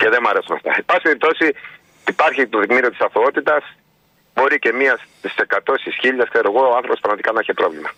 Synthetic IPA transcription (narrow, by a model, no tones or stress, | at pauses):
ce̞ðe̞mɐɾe̞sunɐft̪ɐ̰epɐsipeɾip̚t̪o̞si | ipɐɾçit̪oðikmiɾiot̪isɐft̪oot̪it̪ɐs | bo̞ɾice̞miɐst̪ise̞kɐt̪o̞sisçiʎːɐskse̞ɾoɣo̞oɐnθɾopopɾɐɣmɐt̪ikɐnɐçepɾo̞vlimɐ